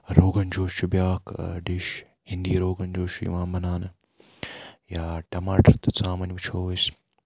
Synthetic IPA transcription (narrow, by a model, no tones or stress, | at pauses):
ɾoːɡɐnd͡ʒoːʃubjaːkɖɪʃ | hɪ̃nd̪iːɾoːɡɐnd͡ʒoːʃujḭʋãːmɐnaːn | jaːʈɐmaːʈɐɾt̪ɐt͡sãːmɐnʲʋut͡ʃʰoːʋɐs